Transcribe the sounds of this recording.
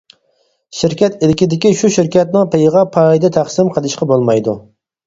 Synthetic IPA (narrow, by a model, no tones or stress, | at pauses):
ʃiɾkʲɛt̪ilɪkʲid̪ɪkʲiʃuʃiɾkʲɛt̪̚nɪŋpejʁɑpʰɑjd̪ɛt̪ʰæχsɪmqʰəlˠɨʃqɑbolˠmɑjd̪u